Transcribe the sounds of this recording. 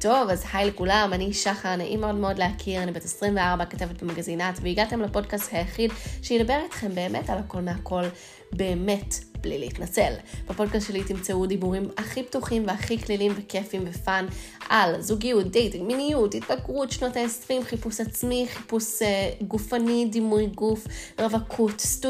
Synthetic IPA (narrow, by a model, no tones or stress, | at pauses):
to̞vazhajlekulamaniʃaχanaʔimeo̞dmeo̞dleakʰiʁanibetesʁimveaʁbakatevet̚bemaɡazinatveiɡate̞mlapo̞dkasthajaχidʃeidabe̞ʁitχe̞mbe̞ːmetalhako̞lmeako̞l | be̞ːme̞tblḭliitnat͡selb̥epo̞dkast̪ʃelitimt͡seudibuʁimaχiptuχimveaχiklilimvekefimvefanʔalzuɡijut̚dejtiminijutit̚baɡʁutʃnotaesʁimχipusat͡smiχipusɡufanidimujɡufʁavakʰutstu